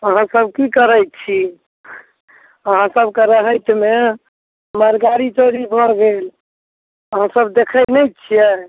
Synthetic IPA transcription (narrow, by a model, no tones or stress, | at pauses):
əɦãsəb̚kikəɾəjt̪̚t͡ʃʰi | əɦãsəbkeɾəɦəjt̪me | məɾɡaɾit͡ʃoɾibʱəɾɡel | əɦãsəbd̪ekʰəjnəjt̪t͡ʃʰijɛ